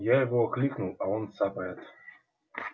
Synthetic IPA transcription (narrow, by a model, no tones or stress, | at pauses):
jajɪvoɐklʲiknulˠɐonsapɐɾat̪